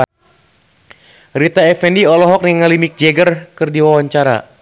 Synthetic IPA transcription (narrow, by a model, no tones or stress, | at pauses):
rit̪aɛfɛndiɔlɔɦɔk̚niŋalimik̚d͡ʒɛɡərkɨrdiwawaɲt͡ʃaɾa̰